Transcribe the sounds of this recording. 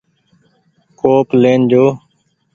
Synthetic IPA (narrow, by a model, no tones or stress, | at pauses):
koːpleːnd͡ʒoː